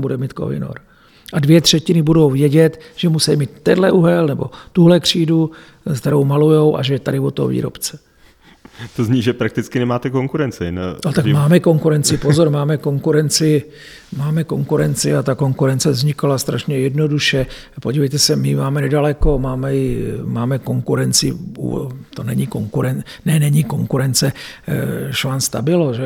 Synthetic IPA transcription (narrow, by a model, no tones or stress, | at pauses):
budɛmiːt̪ko̰vɪ̰no̰ɾ | ʔadvjɛt̪r̥ɛcɪnɪbudo̞wvjɛɟɛt̪ʒ̥ɛmusɛjmiːt̪ːɛdlɛʔuɦɛlnɛbo̞̰t̪uɦlɛkr̝̥iːdu | kt̪ɛɾo̞wmalujo̞wʔa̰ʒɛjɛt̪adɪvot̪o̰vḭːɾo̰pt͡sɛ̥ | t̪ozɲiːʒɛpɾak̚t̪ɪt͡skɪnɛmaːt̪ɛkoŋkuɾɛnt͡sɪ̰nnot̪akmaːmɛko̞ŋkuɾɛnt͡sɪpozo̞ɾmaːmɛko̞ŋkuɾɛnt͡sɪ | maːmɛko̞ŋkuɾɛnt͡sɪat̪ako̞ŋkuɾɛnt͡sɛzɲɪkalast̪ɾaʃɲɛjɛdno̞duʃɛ | po̞ɟivɛjt̪ɛsɛmɪmaːmɛnɛdalɛko̞maːmɛjɪmaːmɛko̞ŋkuɾɛnt͡sɪ̰ṵt̪onɛɲiko̞ŋkuɾɛnnɛnɛɲiko̞ŋkuɾɛnt͡sɛ | ʃvaːnst̪abɪloʒɛ